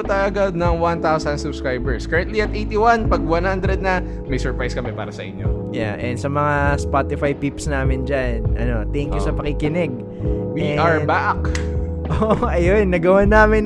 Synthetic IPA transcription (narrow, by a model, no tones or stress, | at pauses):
t̪ɐɐɡad̪nɐŋwant̪awsɐnd̪sʊbskɹajbɛɹskɐɹɐ̃nt̪liɐt̪ʔejt̪iwanpɐɡ̚wanhand̪ɾɛd̪̚nɐ | mɐjsɛɹpɹajskɐmɛpa̰ːɾɐsɐʔɪ̰ɲjo̰ja̰ʔɛnsɐmɐŋaspat̪ɪfajpipsnaːmɪnd͡ʒannʔɐ̰no̞t̪ɛŋkjusɐpɐkɪkɪnɛɡ̚ | wiɛʔɐɹbaʔk | ʔoːʔoʔɐjonːɐɡɐwanːaːmɪn